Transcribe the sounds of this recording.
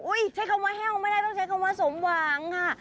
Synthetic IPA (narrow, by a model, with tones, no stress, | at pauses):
ʔu˦˥˩jt͡ɕʰa˦˥jkʰa˧wmaː˧˥ɦɛː˥˩kmaː˧˥˩da˥˩t̪ɔː˥˩ŋt͡ɕʰa˦˥jkʰa˧wmaː˧˥so˨˩˦mwaː˧˦ŋkʰa˧˥˩